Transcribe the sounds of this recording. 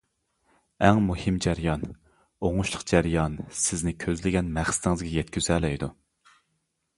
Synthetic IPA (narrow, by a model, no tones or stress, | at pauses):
ɛŋmuhɨmd͡ʒæɾjɑn | oŋuʃlˠəqd͡ʒæɾjɑnsɪznɪkʲʰøzlɪɡʲɛnmæχsɪ̥t̪ʰɪŋɨzɡʲɛjɛt̪̚kʲyzɛlɛjd̪u